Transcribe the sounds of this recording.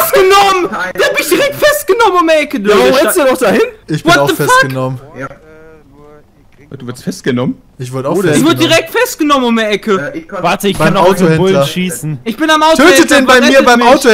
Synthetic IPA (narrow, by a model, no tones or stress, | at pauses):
sɡ̥ənɔməndabɪnɪçd̥iʁɛk̚tfɛst̚ɡ̥ənɔmənʊmɐʔɛkədɛsdunɔχd̥ahɪnʔɪçb̥vɪɔaʊðəfɛpʰaɡənɔmən | ad̥uːvɪɐstfɛst̚ɡ̥ənɔmən | ʔɪçv̥ɪɐdəaɪçv̥ɪɐdədiʁɛk̚tfɛst̚ɡ̥ənɔmənʊmɛɐʔɛkʰəvaɐtəɪçb̥aɪamnaʊtohɛvʊllɐʃiːsn̩ʔɪçb̥ɪnamʔaʊtʰøːtədɛnbaɪmɛmiːɐbaɪmaʊto